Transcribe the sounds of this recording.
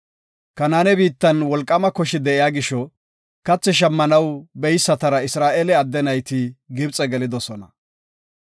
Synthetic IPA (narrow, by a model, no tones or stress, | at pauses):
kɐnaːnɛbiːt̪ːɐnwɔlkʼːɐmɐkɔʃɪd̪ɛʔɪjaːɡɪʃɔ | kɐt͡sːɛʃ̬ɐmːɐnɐwbɛjsːɐt̪ɐɾɐɪsɾaːʔeːlɛɐd̪ːɛnɐjt̪ɪɡɪbt͡sʼɛɡɛlɪd̪ɔsɔnɐ̰